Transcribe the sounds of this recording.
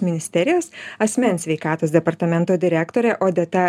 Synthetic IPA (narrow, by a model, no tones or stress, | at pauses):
mʲɪnʲɪsʲt̪ʲɛɾʲɪjoːsɐsʲmʲɛnʲsʲʋʲɛɪkɑːt̪oːsd̪ʲɛpɐɾt̪ɐmʲɛnt̪oːd̪ʲɪɾʲæːkt̪oːɾʲɛʔoːd̪ʲɛt̪ɑ